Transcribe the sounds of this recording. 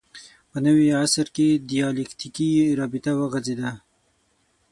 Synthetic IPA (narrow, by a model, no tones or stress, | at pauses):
pənəwiasɾkedijɑlekt̪ikiɾɑbɪt̪awaɣazed̪a